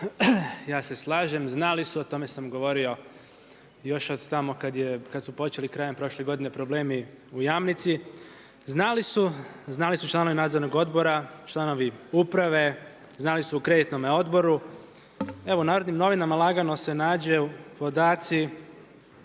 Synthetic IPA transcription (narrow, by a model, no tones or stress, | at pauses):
jaːse̞slˠaːʒe̞mznalisuot̪o̞me̞samɡo̞ʋo̞ɾio̞ | jo̞ʃod̪t̪amokad̪jekad̪supo̞t͡ʃe̞likɾaːje̞mpɾo̞ʃle̞ɡo̞d̪ine̞pɾo̞ble̞ːmi | ujamnit̪si | znalisuznalisut͡ʃlˠaːno̞ʋinaːd̪zoɾnoɡo̞d̪bo̞ɾat͡ʃlˠano̞ʋiupɾaʋe̞ | znalisuukɾe̞d̪it̪no̞meo̞d̪bo̞ɾu | e̞ʋounaːɾod̪nimno̞ʋinamalˠaɡanose̞naːd͡ʑeupo̞d̪aːt̪si